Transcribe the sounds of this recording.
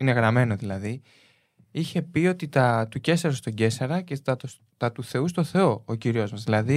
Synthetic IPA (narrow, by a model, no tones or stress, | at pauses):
ine̞ɣɾɐme̞no̞ðilɐði | içe̞pio̞t̪it̪ɐt̪uce̞sɐɾost̪o̞ɟe̞sɐɾɐcet̪ɐo | t̪ɐt̪uθe̞ust̪o̞θe̞o̞ociɾio̞zmɐzðilɐði